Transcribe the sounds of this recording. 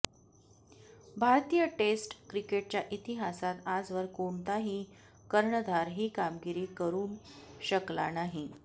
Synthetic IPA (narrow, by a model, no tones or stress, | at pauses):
bʱaɾt̪ijəʈesʈkɾikeʈ̚t͡ɕjaʔit̪iɦasat̪ad͡zʋəɾkoɳt̪aɦiː | kəɾɳəd̪ʱaɾɦiːkamɡiɾiːkəɾuːnɕəkla̰naɦi